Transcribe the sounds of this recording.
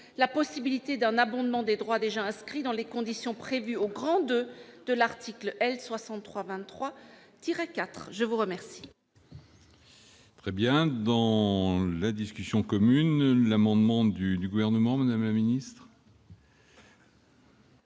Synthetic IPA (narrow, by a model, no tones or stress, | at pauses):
lapɔsibilit̪ed̪ɛ̃nabɔ̃d̪mɑ̃d̪ed̪ʁwad̪eʒaɛ̃skχid̪ɑ̃lekɔ̃d̪isjɔ̃pχevyoɡʁɑ̃d̪ød̪̥əlaʁt̪iklʔɛlswasɑ̃t̪ːχwavɛ̃nːχwa | t̪iʁɛkat̪χʒəvuʁəmɛʁsi̥ | t̪χɛbjɛ̃d̪ɑ̃lad̪iskʲysjɔ̃kɔmynlamɑ̃d̪mɑ̃d̪yd̪yɡuvɛʁnəmɑ̃mad̪amlaminist̪χ